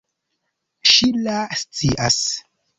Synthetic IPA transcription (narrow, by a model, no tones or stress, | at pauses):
ʃilast͡sḭʔas